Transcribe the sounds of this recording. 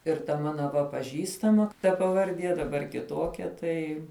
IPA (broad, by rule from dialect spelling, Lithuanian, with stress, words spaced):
ɪr tɐ ˈmɑːnɐ ʋɐ pɐˈʒʲiːstɐmɐ tɐ pɐʋɐrʲˈdʲiɛ dɐˈbɐr kʲɪˈtoːkʲɛ ˈtɐɪ